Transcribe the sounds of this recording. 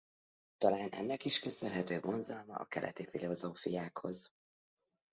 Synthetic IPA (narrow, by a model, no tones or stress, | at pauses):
t̪ɒlaːnɛ̰nːɛkiʃkøsø̞nɦɛt̪øːɡo̞nzɒlmɒɒ̰kɛlʔɛ̰t̪ifilo̞zoːfijaːkho̞z